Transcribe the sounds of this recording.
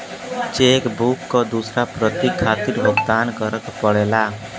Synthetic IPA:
t͡ʃekbukːɔd̪usɾapɾət̪ikʰːat̪iɾbʱɔɡt̪ankəɾəkpɔɽela

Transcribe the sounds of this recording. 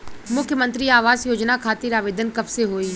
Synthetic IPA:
mʊkʰjəmə̃nt̪ɾiaːʋaːzjoːd͡ʒnakʰaːt̪ɪɾaːʋeːd̪ənkɐbseɦoːiː

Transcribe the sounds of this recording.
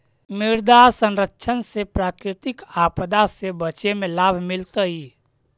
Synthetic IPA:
mɪɾd̪asə̃nɾəkːʃʰənsepɾaːkɾɪt̪ɪkapd̪asebət͡ʃemẽlaːbʱmɪlt̪əɦi

